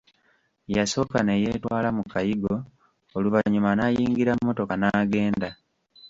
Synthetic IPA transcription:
jaso̞kaneje̞ːtwaːlamukajiɡo̞ | oluvaɲumanajiːŋɡiɾamːo̞to̞kanaːɡe̞ːnda

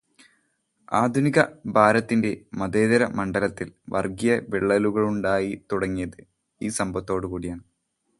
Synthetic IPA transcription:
aːd̪ʱuniɣɐbʱaːɾɐt̪ːinde̞mɐðe̞ːðɐɾɐmɐɳɖɐlɐt̪ːilʋɐ̰rɡijɐʋeɭːɐluɣɐɭuɳɖaːjit̪uɽɐŋːijɐðɨ | iːsɐmbʱɐt̪ːo̞ːɽɨkuːɽijaːɳɨ

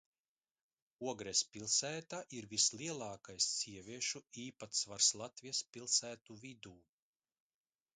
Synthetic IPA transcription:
uɔɡɾɛspʲilˠsæːt̪aʔiɾvisliɛlˠɑːkajsːiɛvʲiɛʃuiːpat̪svaɾslˠat̪vʲispʲilˠsæːt̪uvʲid̪uː

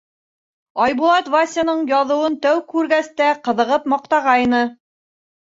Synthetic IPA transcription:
ɑjbulˠɑt̪vasʲanɤɴjɑðɤ̆wɤnt̪æwkʉɾɡæst̪æqɤ̆ðɤ̆ʁɤpmɑqt̪ɑʁɑjnɤ

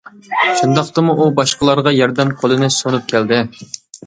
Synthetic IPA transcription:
ʃund̪ɑqt̪ɨmuubɑʃqəlˠɑɾʁɑjɑɾd̪ɛmqʰolˠɨnɨsonup̚kʲʰæld̪ɪ

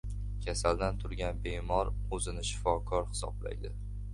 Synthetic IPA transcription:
kʲʰasald̪ant̪ʰʊɾɡʲanbemɒɾ | ɵzɪnɪʃɪ̥fɒkʰɒɾhɪ̥sɒ̰bla̰jd̪ɪ

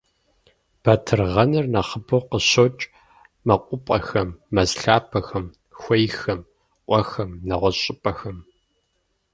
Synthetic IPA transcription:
b̥ɐtʰɨrʁɐnɨrnɐχəboqəɕot͡ʃʼ | mɐqʷʼʊpʼɐxɐmːɐzɬaːpʰɐxɐm | xʷɔjxɐm | ʔʷʼɔxɐmnɐʁʷɔɕʼɪpʼɐxɐm

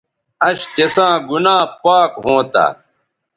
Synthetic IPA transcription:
ɐɕt̪esãːɡunãːpaːkɦõːt̪a̰

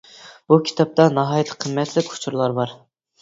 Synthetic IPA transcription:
b̥ukʲʰi̥t̪ʰɑp̚t̪ɑnɑɦɑːjt̪ʰːə̥qʰəmːɛt̪ʰlɪkʲʰʊ̥t͡ʃʰuɾlˠɑɾbɑɾ

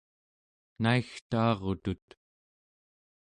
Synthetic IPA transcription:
naixt̪ɑːʁot̪ut̪

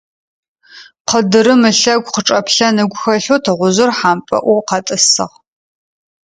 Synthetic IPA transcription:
qədɨɾɨmɨɬɐɡʷqəʈ͡ʂʼɐpɬɐnɨɡʷʊxɐɬoːtʰɐʁʷʊzɨrħaːmpʼɐ̰ʔʷɔqɐtʼɨsɨʁ

